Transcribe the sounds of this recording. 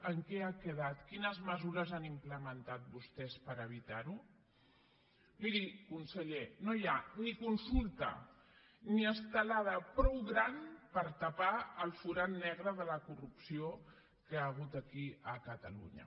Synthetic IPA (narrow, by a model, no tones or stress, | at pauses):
əŋkɛakəð̞at̪kinəzməzuɾəzanimpləmənt̪at̪̚bust̪ɛspəɾəβ̞it̪aɾu | miɾikunsəʎenojanikunsulˠt̪ə̰ | niəst̪əlað̞əpɾɔwɣɾanpəɾt̪apaəlˠfuɾanːɛɣɾəðələkurupsio | kəaːɣ̞ut̪əkiəkət̪əlṵɲə̰